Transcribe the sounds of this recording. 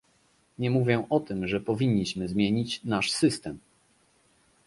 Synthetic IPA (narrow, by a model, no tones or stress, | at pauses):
ɲɛmuvʲjɛ̃ʔɔt̪ɘmʐɛpɔvʲiɲːiɕmɘzmʲjeɲit͡ɕnaʂsɘst̪ɛm